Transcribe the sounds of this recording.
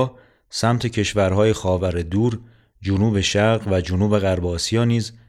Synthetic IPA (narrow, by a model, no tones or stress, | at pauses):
sæmt̪ʰe̞cʰe̞ʃvæɾɦɒːjexɒːvæɾed̪uːɾ | d͡ʒonuːbe̞ʃæɾɣvæd͡ʒonuːbe̞ɣæɾbɒːsijɒːniːz